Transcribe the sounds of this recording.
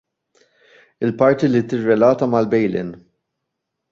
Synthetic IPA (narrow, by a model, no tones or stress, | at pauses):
ɪlpɐɾt̪ilit̪ɪrːɛlɐːt̪ɐmɐlbɛjlɪ̰n